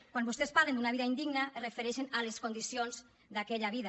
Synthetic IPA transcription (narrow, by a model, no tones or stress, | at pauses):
kwambust̪espaɾlend̪unaβiðaind̪iɡnarefeɾɛʃenaleskund̪isionz | d̪akɛʎaβ̞iða